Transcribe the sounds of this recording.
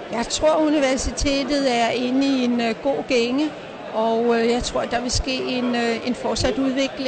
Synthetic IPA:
jɑ̈ɪt͡sʰʁo̝ɐ̰uniʋæɐsit͡sʰe̝̰ːd̥ð̞̩ˠæɐe̝nəie̝nɡ̥o̝̰ːɡ̥eŋə | ɒ̽ʊjɑ̈ɪt͡sʰʁo̝ɐ̰d̥ɑ̈ʋe̝sɡ̥e̝̰ːe̝ne̝nfɒːsæd̥uð̞ˠʋe̝ɡ̥le

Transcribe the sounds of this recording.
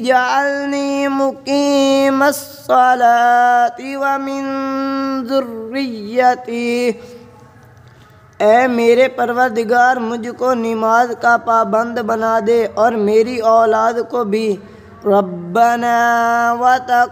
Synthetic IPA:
d͡ʒalnimʊkiːməsːɔlat̪iʋamɪ̃n | zʊɾːɪjət̪i | ɛːmeːɾepəɾʋəɾd̪ɪɡaːɾmʊd͡ʒʱkonɪmaːzkapaːbə̃nd̪bənaːd̪eɔːɾmeːɾiɔːlaːd̪kobʱi | ɾɐbːənaːwat̪a

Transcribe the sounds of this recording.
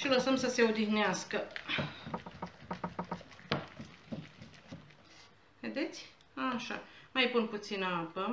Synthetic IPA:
ʃiləsəmsəse̞od̪ixneaskə | ved̪e̞t̪sʲ | aʃa̰majpunput̪sinəapə

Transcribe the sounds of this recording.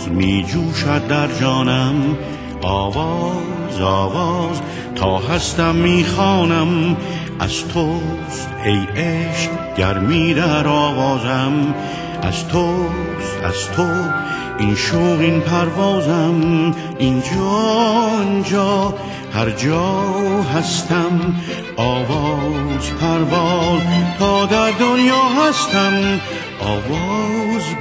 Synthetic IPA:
miːd͡ʒuːʃæd̪̚d̪æɾd͡ʒɔːnæm | ɒːvɑː | zɒːvɑːz | t̪ʰɒːɦæst̪æmːiːxɑːnæm | æ̰z̥t̪ʰo | st̪ejeʃk | ɟæɾmiːɾæɾɒːvɑːzæm | ʔæ̰zt̪ʰo | s | æ̰z̥t̪ʰo | inʃoɣinpʰæɾvɒːzæm | ind͡ʒɒːind͡ʒɒː | hæɾd͡ʒɒːɦæst̪ʰæm | ʔɒːvɒːzpʰæɾvɒːzt̪ʰɒːd̪æɾd̪onjɒːɦæst̪ʰæm | ʔɒːvɔz

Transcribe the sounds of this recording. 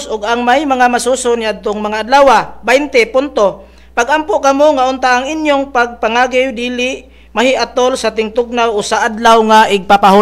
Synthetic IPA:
sʔʊɡaŋmajmɐŋamasuːsonjaad̪̚t̪oŋmɐŋaʔːd̪laːwabajnt̪ɛpʊnt̪o | pɐɡʔampoʔkɐmoŋaʔʊnt̪aʔaŋʔɪnjoŋpaɡ̚paŋaːɡɪwd̪iːlɪʔ | mɐɦɪʔat̪olsɐt̪ɪŋt̪ʊɡ̚nawʔosaʔad̪lawŋaʔɪɡ̚papaɦu

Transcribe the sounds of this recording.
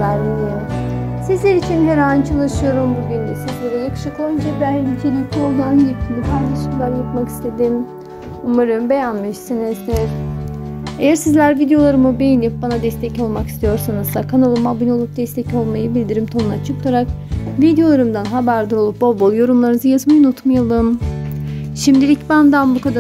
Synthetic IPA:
æɾlʲilijoɾ | sizlʲeɾit͡ʃʰinɦeɾant͡ʃʰalˠaʃɯjo̞ɾumbuɟynd̪ɛsizlʲeɾɛjakʰɯ̥ʃɯklˠand͡ʒ̪ɛb̪ænit͡ʃʰelʲic̚ʲt̪ʰiolˠd̪anɟip̚t̪ʰinipʰajlˠaʃɯklˠaɾjapmaki̥st̪ʰe̞d̪im | umaɾɯmbe̞jænmiʃsinizz | ejæɾsizlʲæɾvid̪ejo̞lˠaɾɯmɯbejinip̚banad̪ɛst̪ʰɛco̞lˠmaki̥st̪ijo̞ɾsanɯzsakʰanolˠumabino̞lˠup̚d̪ɛst̪ʰɛco̞lˠmajɯbilʲd̪iɾimt̪ʰo̞nunat͡ʃʰɯklˠaɾak̚vid̪ejo̞lˠaɾɯmd̪anɦabæɾd̪ɯɾo̞lˠup̚bobolˠjo̞ɾumlˠaɾnɯzɯjazmajɯnut̪majalˠɯm | ʃimd̪ilʲicbænd̪anbukʰad̪a

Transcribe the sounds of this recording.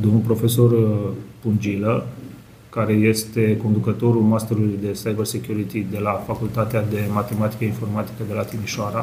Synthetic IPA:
d̪o̞mnulpɾo̞fe̞so̞rpund͡ʒilə | kaɾe̞je̞st̪e̞ko̞nd̪ukət̪o̞ɾulmast̪eɾulujd̪e̞sajbərsekʲjuɾit̪id̪e̞lafakult̪at̪ead̪e̞mat̪e̞mat̪i̥kəinfo̞rmat̪i̥kəd̪e̞lat̪imiʃoaɾa

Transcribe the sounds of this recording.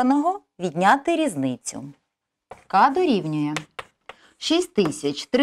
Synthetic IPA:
ɐnɔɦɔ | ʋʲid̪ʲnʲat̪ɪɾʲiznɪt͡sʲʊ̰ | kɑd̪ɔɾʲiwnʲʊjɛ | ʃisʲtʲt̪ɪsʲɐt͡ʃt̪ɾ

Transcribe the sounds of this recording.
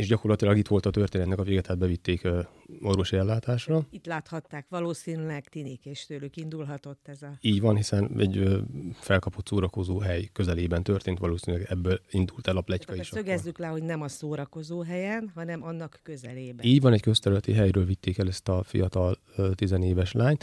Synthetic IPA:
eːʃɟɒko̞rlɒt̪ilɒɡit̪ʋo̞lt̪ɒt̪ørt̪eːnɛt̪nɛkɒveːɡɛt̪ʰaːd̪̚bɛvit̪ːeːkøo̞rvʋo̞ʃiɛlːaːt̪aːʃrɒit̪laːt̪hɒt̪ːaːkʋɒloːsiːnylɛɡt̪inikeːʃt̪øːlykind̪ulɦɒt̪o̞t̪ːɛzɒiːɟvɒnɦisɛnɛ̰ɟøːfɛlkɒpo̞t̪soːɾɒko̞zoːɦɛjkø̞zɛleːbɛnt̪ørt̪eːnt̪ʋɒloːsinylɛɡɛbːølind̪ult̪ɛlɒplɛckɒjiʃsøɡɛzːyklɛho̞ɟnɛmɒsoːɾɒko̞zoːɦɛjɛnɦɒnɛmɒnːɒkːø̞zɛleːbiːɟʋɒnɛckøst̪ɛɾylɛt̪iɦɛjɾøːlvit̪ːeːkɛlɛst̪ɒfḭjɒt̪ɒl | øt̪izɛneːvɛʃlaːɲt̪

